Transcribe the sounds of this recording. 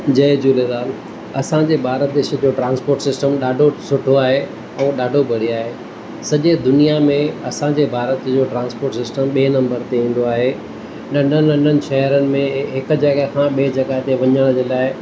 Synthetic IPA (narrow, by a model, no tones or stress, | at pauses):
d͡ʑɐd͡ʑuːled̪aːl | ɐsãd͡ʑeːbʱaːɾət̪̚d̪eːʃəd͡ʑoːʈɾãːnspoːɾʈsɪsʈəmɗaːɖʱosʊʈʰoaːɦe | ɛ̃ːɗaːɖʱobʱɐɽiaːɦeː | sɐʄed̪ʊnijamẽɐsãɲd͡ʑeːbʱaːɾət̪d͡ʑoːʈɾãːnspoːɾʈsɪsʈəmɓiːnɐ̃mbəɾt̪eĩːn̆d̪oaːɦe | nɐ̃ɳɖʱənɐ̃ɳɖʱənɪ̆ʃɐɦəɾənɪ̆mẽɦɪkd͡ʑɐɡəkʰãɓieːd͡ʑɐɡaːɦt̪eʋɐɲəɽ̃d͡ʑeːlaːɪ